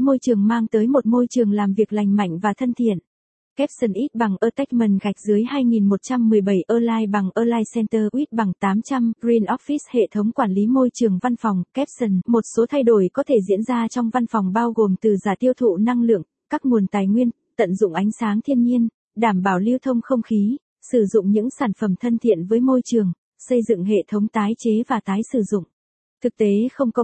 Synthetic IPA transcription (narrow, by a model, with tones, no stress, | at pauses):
mo˧jt͡ɕɨ˨˩əŋmaː˧ŋt̪əː˨˦jmo˨˩t̚mo˧jt͡ɕɨ˨˩əŋlaː˨˩mvi˨˩ək̚la˨˩jŋ̟ma̰˧˨jŋ̟vaː˨˩t̪ʰə˧nt̪ʰḭ˧˨ən | kɛ˦˥p̚sə˨˩nʔi˦˥t̚ɓa˨˩ŋʔəː˧t̪ɛ˦˥jk̚mə˨˩nɣa˨˩jk̟̚zɨ˨˦əjhaː˧jŋi˨˩nmo˨˩t̚t͡ɕa˧mːɨ˨˩əjɓə˧˩jʔəː˧laː˧jɓa˨˩ŋʔəː˧laː˧jsɛ˧nt̪əː˧ʔwi˦˥t̚ɓa˨˩ŋt̪aː˨˦mt͡ɕa˧mɡɾi˧nʔɔ˦˥p̚fi˦˥shḛ˧˨t̪ʰə˨˦wŋ͡mkwaː˧˩nli˨˦mo˧jt͡ɕɨ˨˩əŋva˧nfɔ˨˩wŋ͡mkɛ˦˥p̚sə˨˧˩nmo˨˩t̚so˨˦t̪ʰa˧jɗo˧˩jkɔ˨˦t̪ʰe˧˩zḭ˧˥ənzaː˧t͡ɕɔ˧wŋ͡mva˧nfɔ˨˩wŋ͡mɓaː˧wɣo˨˩mt̪ɨ˨˩zaː˨˩t̪i˧əwt̪ʰṵ˧˨na˧ŋlɨ̰˧˨əŋ | kaː˦˥k̚mu˨˩ənt̪aː˨˩jŋwi˧ən | t̪ə̰˧˨nzʊ̰˧˨ŋ͡mʔa˨˦jŋ̟saː˨˦ŋt̪ʰi˧ənɲi˧ən | ɗaː˧˩mɓaː˧˩wli˧əwt̪ʰə˧wŋ͡mxə˧wŋ͡mxi˨˦ | sɨ˧˩zʊ̰˧˨ŋ͡mɲɨ̰˧˥ŋsaː˧˩nfə˧˩mt̪ʰə˧nt̪ʰḭ˧˨ənvəː˨˦jmo˧jt͡ɕɨ˨˩əŋ | sə˧jzɨ̰˧˨ŋɦḛ˧˨t̪ʰə˨˦wŋ͡mt̪aː˨˦jt͡ɕe˨˦vaː˨˩t̪aː˨˦jsɨ˧˩zʊ̰˧˨ŋ͡m | t̪ʰɨ˨˩k̚t̪e˨˦xə˧wŋ͡mkɔ˨˧˦